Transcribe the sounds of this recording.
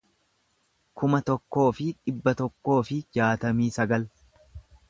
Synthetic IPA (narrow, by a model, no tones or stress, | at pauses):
kʊmɐt̪ɔkːo̞ːfɪᶑɪbːɐt̪ɔkːo̞ːfɪd͡ʒaːt̪ɐmiːsɐɡɐl